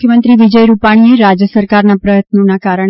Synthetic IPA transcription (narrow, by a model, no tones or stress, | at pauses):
jəmənt̪ɾiʋid͡ʒəjɾupaɽ̃ieɾad͡ʒjəsəɾkaɾnapɾəjət̪nonakaɾəɳ̃